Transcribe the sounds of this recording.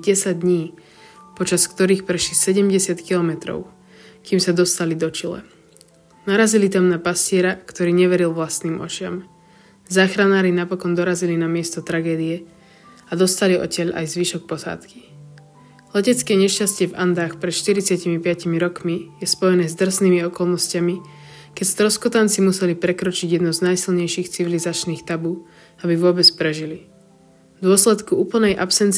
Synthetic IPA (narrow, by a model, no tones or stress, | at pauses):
ɟɛsaɟ̚d̪ɲiː | pɔt͡ʃaskt̪ɔɾiːxpɾɛʃlisɛɟɛmɟɛsɪat̪kilɔmɛt̪ɾɔ̰ʊ | kiːmsad̪ɔst̪alid̪ɔt͡ʃilɛ̰ | naɾazilit̪amnapascɪɛɾakt̪ɔɾiːɲɛʋɛɾilˠʋlast̪niːmʔɔ̰t͡ʃɪa̰m | zaːxɾanaːɾinapɔkɔnd̪ɔɾazilinamɪɛst̪ɔt̪ɾaɡɛːd̪iɛ | ad̪ɔst̪aliʔɔ̰cɛʎa̰jzʋiʃɔk̚pɔsa̰ːt̪ki̥ | lɛcɛt͡skɛɲɛʃcascɪɛva̰nd̪aːxpɾɛt̪ʃt̪iɾit͡sɪacimipɪacimiɾɔkmijɛspɔjɛnɛːzd̪r̩sniːmiɔkɔlˠnɔscami | kɛcst̪ɾɔskɔt̪ant͡simusɛlipɾɛkɾɔt͡ʃiɟjɛd̪nɔznajsilɲɛjʃiːxt͡siʋilizat͡ʃniːxt̪abuː | abiʋʊɔbɛt͡spɾɛʒili | d̪ʊɔslɛt̪kuuːpl̩ˠnɛjʔapsɛnt͡s